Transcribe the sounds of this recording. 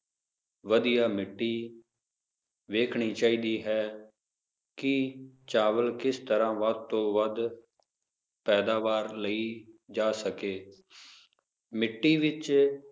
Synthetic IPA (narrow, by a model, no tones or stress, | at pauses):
ʋəd̪ijaːmɪʈːiː | ʋeːkʰɳiːt͡ʃaːiːd̪iːɦɛː | kɪt͡ʃaːʋəlkɪst̪əɾãːʋəd̪̚t̪õːʋəd̪ | pɛːd̪aːʋaːɾləiːd͡ʒaːsəkeː | mɪʈːiːʋɪt͡ʃ